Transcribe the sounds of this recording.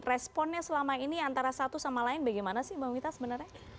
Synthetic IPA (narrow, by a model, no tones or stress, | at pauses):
rɛspɔnɲasəlamainiant̪aɾasat̪usamalaɪnbaɡajmanasɪhbamit̪asəbənərɲa